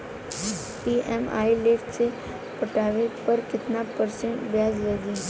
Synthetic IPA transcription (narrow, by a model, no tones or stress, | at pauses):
ʈiːʔɛma̰ːilɪfʈse | pəʈaːʋepɐɾkɪt̪napəɾsẽɳʈbjaːzləɡi